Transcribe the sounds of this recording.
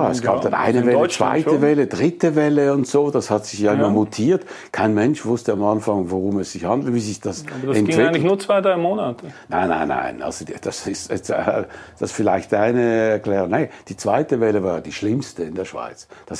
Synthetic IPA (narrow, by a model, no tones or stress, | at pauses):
aɛsɡ̥aːpd̥anʔa̰ɪnəvɛt͡sv̥a̰ɪtəvɛləd̥ʁɪtəvɛləʊntz̥oːd̥ashatz̥ɪçjaɪmɐmutʰiːɐt | kʰaɪnmɛnʃv̥ʊstəamanfaŋvoʁʊmɛsz̥ɪçhandl̩tviːzɪçd̥asdɛntːvɪɡlçnuːɐt͡sv̥aɪdʁaɪmoːnatʰəna̰ɪnːa̰ɪnːa̰ɪnʔa̰lz̥od̥asɪstɛ | sd̥asfɪlaɪçtaɪnəɛɐklɛːʁʊŋned̥iːt͡sv̥aɪtəvɛləvaːjd̥iːʃlɪmstəɪndeːɐʃv̥a̰ɪt͡sd̥as